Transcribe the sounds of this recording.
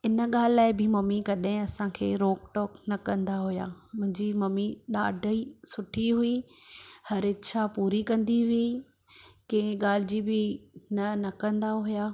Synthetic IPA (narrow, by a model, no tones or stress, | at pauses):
ɪnə̆ɠaːlɪlaːɪbɪmɐmikɐɗɦɪ̃ɐsãkʰḛːɾoːkʈɔːknɐkɐ̃nd̪aɦʊja̰ːmʊ̃ɦɪ̃ɲd͡ʑimɐmiɗaːɖʱəisʊʈʰiɦʊi | hɐɾɪtːʃʰapuːɾikɐ̃nd̪iɦʊi | kɐ̃ɪ̃ɡaːl̤ɪd͡ʑibɪnɐnɐkɐ̃nd̪aɦʊjaː